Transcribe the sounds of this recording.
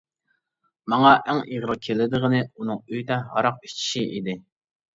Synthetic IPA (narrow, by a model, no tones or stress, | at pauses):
mɑŋɑʔæŋiʁɾɨkʲʰelɪd̪ɨʁənɨunɨŋøjd̪ɛɦɑ̰ɾɑq̚i̥t͡ʃʰi̥ʃiʔid̪ɪ